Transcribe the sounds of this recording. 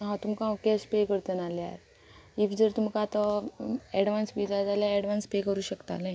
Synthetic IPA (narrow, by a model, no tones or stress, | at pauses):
ɦãt̪umkãukɛspekəɾt̪ənalja̰ɾ | ifd͡zəɾt̪umkat̪ɔ | ɛɽʋansʋid̪ad͡zaljaɛɽʋanspekəɾuːɕəkt̪a̰naɦi